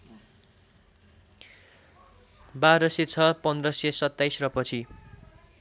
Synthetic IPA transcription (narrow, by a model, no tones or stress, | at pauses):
baɾʌset͡sʰʌpʌnd̪rʌsesʌt̪ːajsrʌpʌt͡sʰi